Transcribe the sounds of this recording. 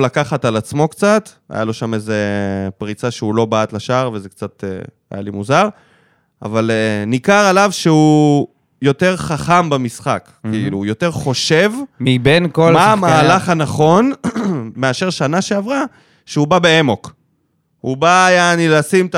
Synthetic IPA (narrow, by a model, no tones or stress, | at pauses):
lakaχatalat͡smo̞kt͡sat̪ | a̰jalo̞ʃamezepʁit͡saʃeulo̞baat̪laʃaʁvezekt͡sat̪ḛ | a̰ja̰limuzaʁ | a̰valenikaʁalavʃeu | jo̞te̞ʁχaχambamisχak | kiiluːjo̞te̞ʁχo̞ʃe̞vmibenkolmaamaːlaχanaχo̞n | me̞aʃe̞ʁʃanaʃeavʁa | ʃeubabeemo̞k | hubaːjanilasimt̪